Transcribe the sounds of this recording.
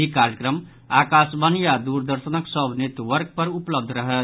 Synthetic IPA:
ikaɾjəkɾəm | akasbənijad̪uɾd̪əɾsənəksəbnet̪wəɾk̚pəɾupləb̚d̪ʱɾəɦət̪

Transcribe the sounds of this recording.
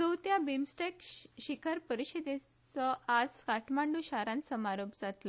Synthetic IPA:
səwt̪jabimsʈekɕikʰəɾpəɾiɕed̪e | t͡sɔad͡zkaʈʰmaɳɖuɕaɾãnsəmaɾobd͡zat̪lə

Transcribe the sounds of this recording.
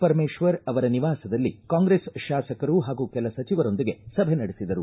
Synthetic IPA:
pɐɾmeːʃʋɐɾɐʋɐɾɐniʋaːsɐd̪ɐlːikaːŋɡɾeːsʃaːsɐkɐɾuɦaːɡuːkɛlɐsɐt͡ʃiʋɐɾo̞nd̪iɡe̞sɐbʱenɐɽesid̪ɐɾu

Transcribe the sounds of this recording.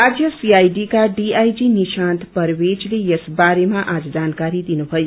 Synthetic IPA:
ad͡ʒjəsiajɖikaɖiajd͡ʒiniʃãnt̪ʰpəɾʋed͡ʒlejesbaɾemãʔad͡ʒd͡ʒankaɾid̪inũɦɔju

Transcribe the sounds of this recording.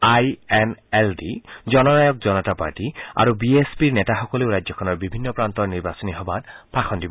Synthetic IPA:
ajɛnɛldizɔnɔnajɔk̚zɔnɔtapa̰ɹtia̰ɹubiespiɹnɛtaxɔkɔleʊɹajzɔkʰɔnɔɹbibʱinːɔpɹant̪ɔɹniɹbasɔniɦɔbatpaxʰɔndibɔ

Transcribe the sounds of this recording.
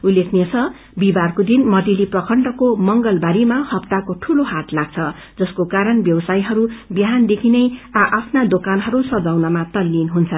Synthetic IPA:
ulːekʰnet͡sʰʌ | bibarkod̪inmʌʈ̪iliprʌkʰʌɳɖʌkomʌŋɡʌlbaɾimahʌpt̪akoʈʰuloɦat̪laɡ̚t͡sʰʌ | d͡zʌskokaɾʌnbjʌwʌsajɦʌɾubjɦand̪ekʰinʌjaʔapʰnad̪okanɦʌɾusʌd͡zawnʌmat̪ʌlːinɦunt͡sʰʌn

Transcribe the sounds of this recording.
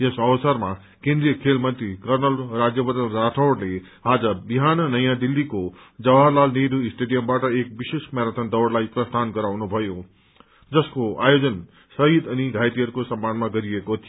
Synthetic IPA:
jesʌwsʌɾma | kẽnd̪ɾijʌkʰelmʌnt̪ɾikʌrnʌlrad͡zjʌbʌd̪ənɾaʈʰʌwɽle | ad͡zʌbiɦanʌnʌjãd̪ilːiko | d͡zʌwaɾlalneɾuisʈeɖijʌmbaʈʌek̚bisesmaɾat̪ʰʌnd̪ʌwɽlajprʌst̪ʰanɡʌɾawnubʱʌjo | d͡zʌskoa̰jod͡zʌn | sʌɦid̪ʌniɡʱajt̪iɦʌɾukosʌmːanmaɡʌɾiekot̪ʰi

